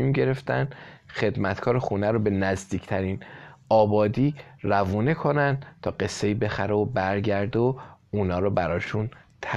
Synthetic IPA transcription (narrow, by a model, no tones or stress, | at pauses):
iːmɟe̞ɾe̞ft̪æ̰nd̪xe̞d̪mæt̪kʰɒːɾexuːnæɾobe̞næzd̪iːcʰt̪ʰæɾiːnɒːbɒːd̪iːɾævuːne̞kʰo̞nænd̪̚t̪ʰɒːɢe̞sːe̞iːbe̞xæɾeobæɾɟæɾd̪o | uːnɒːɾɔːbæɾɒːʃunt̪ʰ